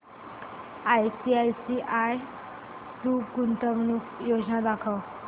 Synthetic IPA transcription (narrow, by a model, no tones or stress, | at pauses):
ajsiajsiʔaj | tukunt̪əmnukjod͡znad̪akʰəw